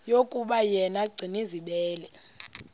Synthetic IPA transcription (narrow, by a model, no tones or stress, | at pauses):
jokʼuɓajɛnaɡ͡ǀʱiniziɓɛːlɛ